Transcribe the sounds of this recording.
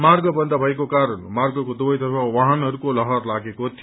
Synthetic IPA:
marɡʌbʌnd̪ʌbʱʌekokaɾʌnmarɡʌkod̪obʌjt̪ʌpʰawaɦʌnɦʌɾukolʌɦʌrlaɡekot̪ʰi

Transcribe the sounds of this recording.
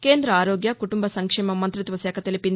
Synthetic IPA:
keːnd̪ɾɐaːɾoːɡjɐkuʈumbɐsɐŋkʂɛːmɐmɐnt̪ɾit̪ʋɐsɛːkʰɐt̪elipin

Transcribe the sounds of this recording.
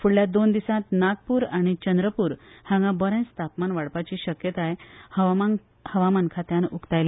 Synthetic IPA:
fuɽljad̪ond̪isãt̪naɡ̚puːɾaɽ̃it͡ɕənd̪ɾəpuːɾhãŋɡãbəɾẽt͡st̪apmanʋaɽpat͡ɕiːɕəkjət̪aehə | həʋamankʰat̪janukt̪ajla

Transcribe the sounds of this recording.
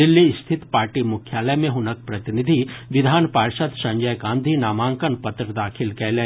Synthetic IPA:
ɪlːist̪ʰɪt̪paːɾʈimʊkʰjaːləmẽɦʊnək̚pɾɐt̪ɪnɪd̪ʱiʋɪd̪ʱaːnpaːɾʃət̪sɐ̃ɲd͡ʒəjɡãːnd̪ʱinaːmãːŋkənpɐt̪ɾəd̪aːkʰɪlkɛlẽ

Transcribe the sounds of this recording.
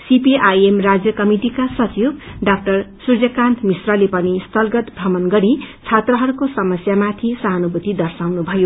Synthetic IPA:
sipiʔajemrad͡zjʌkʌmiʈikasʌt͡subɖak̚ʈʌrsurd͡zʌkant̪ʰmisrʌlepʌnist̪ʌlɡʌt̪bʱʌmʌnɡʌɾit͡sʰat̪rʌɦʌɾukosʌmʌsjamat̪ʰisʌaɦʌnubut̪id̪ʌrsawnubʱʌjo

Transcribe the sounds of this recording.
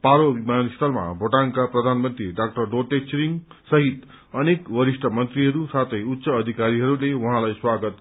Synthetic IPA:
paɾobimanist̪ʌlma̰bʱoʈaŋkaprʌd̪ʱanmʌnt̪ɾiɖak̚ʈʌrɖoʈet͡ʃɾiŋsʌɦit̪ | ʌnekbʌɾiʂʈʰʌmʌnt̪ɾiɦʌɾusat̪ʰʌjut̪ːsʌːd̪ʱikaɾiɦʌɾulewuɦãlajswaɡʌt̪

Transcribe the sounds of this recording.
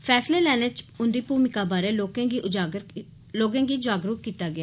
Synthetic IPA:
pʰɛːsleːlɛːneːt͡ʃʊnd̪iːpuːmɪkaːbaːɾeːloːkẽːɡiːʔʊd͡ʒaːɡɾ | loːɡãːɡiːd͡ʒaːɡɾʊkkːiːt̪aːɡɪaː

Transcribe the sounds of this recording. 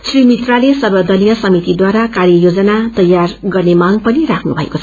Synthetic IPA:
srimit̪ralesʌrbʌd̪ʌlijʌsʌmit̪id̪waɾakarjʌjod͡zʌnat̪ʌjarɡʌrnemaŋpʌniɾakʰnubʱʌḛkot͡sʰʌ

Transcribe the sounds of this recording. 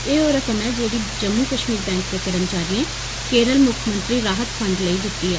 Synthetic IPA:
eːoːɾəkəmɛːd͡ʒeːɽiːd͡ʒəmːuːkəʃmiːɾbɛ̃ːŋk̚d̪eːkəɾəmt͡ʃaːɾɪẽː | keːɾəlmʊkʰəmə̃nt̪ɾiːɾaːɦət̪fʰə̃ɳɖləiːd̪ɪt̪ːiːɦɛː

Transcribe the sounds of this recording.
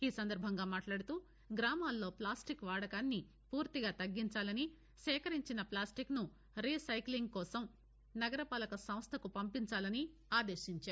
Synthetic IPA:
iːsɐnd̪ɐɾbʱɐŋɡaːmaːʈlaːɽut̪uː | ɡɾaːmaːlːo̞ːplaːsʈikʋaːɽɐkaːnːi | puːɾt̪iɡaːt̪ɐɡːiɲt͡ʃaːlɐni | sɛːkɐɾiɲt͡ʃinɐplaːsʈiknu | ɾiːsɐjkliŋɡkɔːsɐm | nɐɡɐɾɐpaːlɐkɐsɐ̃mst̪ʰɐkupɐmpiɲt͡ʃaːlɐni | aːd̪eːʃiɲt͡ʃaːɾu

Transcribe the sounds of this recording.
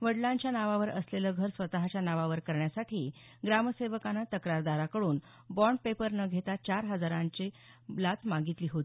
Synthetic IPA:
ʋəɽlãɲt͡ɕjanaʋaʋəɾəsleləɡʱəɾsʋət̪aɦat͡ɕjanaʋaʋəɾkəɾɳjasaʈʰiː | ɡɾaməseʋəkanat̪əkɾaɾd̪aɾakəɽuːn | bɔɳɖ̚pepəɾnəɡʱet̪at͡ɕaɾɦəd͡zaɾãɲt͡ɕe | lat͡s̪maɡit̪liːɦot̪i

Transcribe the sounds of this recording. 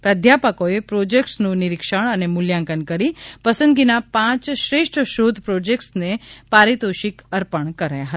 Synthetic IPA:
pɾəd̪ʱjapəkoepɾod͡ʒek̚ʈsnũnɪɾɪkʃəɳ̃ənemʊljãŋkənkəɾipəsə̃nd̪ɡinapãt͡ʃʃɾeʃʈʰəʃod̪ʱpɾod͡ʒek̚ʈsnepaɾit̪oʃikəɾpəɳkəɾajaɦət̪a

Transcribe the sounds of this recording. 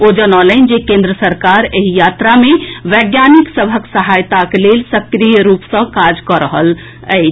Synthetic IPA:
od͡ʒənələnd͡ʒekẽnd̪ɾəsəɾkaɾeɦijat̪ɾameʋəɡjaniksəbʱəksəɦajt̪aklelsəkɾijəɾupsə̃kad͡ʒkəɾəɦəl | əɪt͡ʃʰ

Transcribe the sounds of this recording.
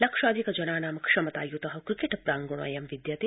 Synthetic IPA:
lɐkʂaːd̪ʱikɐd͡ʒɐnaːnaːmɐkʂɐmɐt̪aːjut̪ɐɦɐkɾikeʈɐpɾaːŋɡuɽ̃ɐ̰jɐmʋid̪jɐt̪eː

